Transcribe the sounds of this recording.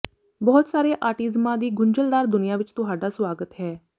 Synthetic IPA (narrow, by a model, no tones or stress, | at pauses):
bɔːt̪saːɾeːʔaːʈɪzmãːd̪iːɡʊɲd͡ʒəld̪aːɾd̪ʊnɪjãːʋɪt͡ʃt̪ʊɦaːɖaːswaːɡət̪ɦɛː